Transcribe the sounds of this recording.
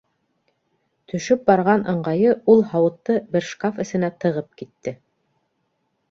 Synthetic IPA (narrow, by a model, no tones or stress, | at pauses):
t̪ʰɵ̆ʃɵp̚bɑɾʁɑnʔɤ̆ɴɢɑjɤulˠhɑwɤ̆t̪ːɤbɘ̆ɾʃkafɘ̆sɘ̆næt̪ɤ̆ʁɤp̚kit̪ːɘ